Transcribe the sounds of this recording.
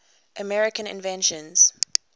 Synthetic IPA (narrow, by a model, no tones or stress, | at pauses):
ʔəmɛɹɪkə̃nɪ̰̃nvɛ̃nʃə̃nz̥